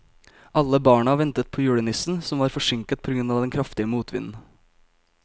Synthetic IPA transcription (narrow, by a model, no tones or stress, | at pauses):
ʔɑlːəbɑːɳɑʋɛnt̪ət̪̚pʰoːjʉːɽənɪsn̩sɔmʋɑːɾfɔʂɪŋkət̪̚pʰɔːɡɾʉnːɑːʋd̪ɛnkʰɾɑft̪ɪəmuːt̪ʰʋɪ̰nn̩